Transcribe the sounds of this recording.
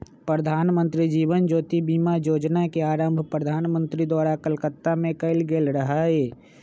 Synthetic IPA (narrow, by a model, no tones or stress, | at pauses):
pɾəd̪ʱaːnmə̃nt̪ɾid͡ʒiːʋənd͡ʒoːt̪ibiːmajoːd͡ʒnakeaːɾəmbʱpɾəd̪ʱaːnmə̃nt̪ɾid̪waːɾakəlkət̪ːamẽkəɪlɡeːlɾəɦaeː